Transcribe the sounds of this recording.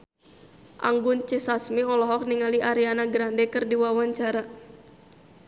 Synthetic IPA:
ʔa̰ŋɡunt͡ʃɛsasmiɔlɔɦɔk̚niŋaliʔaɾianaɡɾandɛkərdiwawaɲt͡ʃaɾa

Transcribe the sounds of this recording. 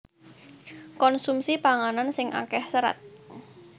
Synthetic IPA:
kɔnsumsipaŋanansɪŋʔa̰kɛhsəɾa̰t̪̚

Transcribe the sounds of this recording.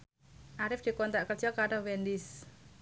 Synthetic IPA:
ʔaɾɪfd̪̥i̤kɔnt̪aʔkərd͡ʒɔkaɾowɛnd̪ɪs

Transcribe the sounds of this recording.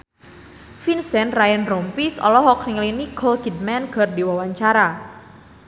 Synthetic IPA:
finsɛnrajɛnrɔmpisɔ̰lɔɦɔk̚niŋliniɡʰɔlɡid̚mɛnɡ̥ərdiwawaɲt͡ʃaɾa

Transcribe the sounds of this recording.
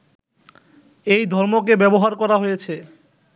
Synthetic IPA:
ejd̪ʱɔɾmok̬ebɛboɦaɾkɔɾaɦojet͡ɕʰe

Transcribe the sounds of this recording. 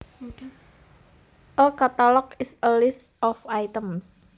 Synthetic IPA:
ʔəkat̪alɔkɪsəlɪstɔfajt̪əms

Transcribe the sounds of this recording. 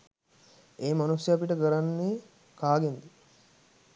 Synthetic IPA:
eːmanusjeapiʈəɡəɾanːeː | kaːɡend̪i

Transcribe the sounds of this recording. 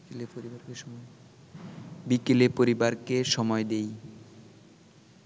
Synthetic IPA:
lepoɾibaɾkeʃɔ | bikelepoɾibaɾkeʃɔmɔed̪ej

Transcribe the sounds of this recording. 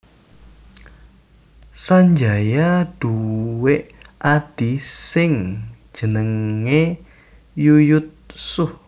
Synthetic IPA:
saɲd͡ʒajaɖ̥uweʔʔad̪̥isɪŋ̥ | d͡ʒ̥ənəŋe | jujʊt̪̚sʊh

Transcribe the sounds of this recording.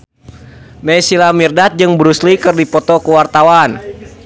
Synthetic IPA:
najsilamirdat̪̚d͡ʒɨŋbɾuslikɨrdipɔt̪ɔkəwart̪awan

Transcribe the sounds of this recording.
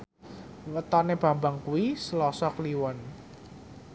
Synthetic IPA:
wət̪ɔneb̥a̤mbaŋkuwisəlɔsɔkliwɔn

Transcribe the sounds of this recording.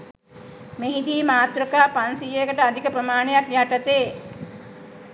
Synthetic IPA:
meɦid̪iːmaːt̪ɾəkaːpansijekəʈəad̪ʱikəpɾəmaːnejakjaʈət̪eː

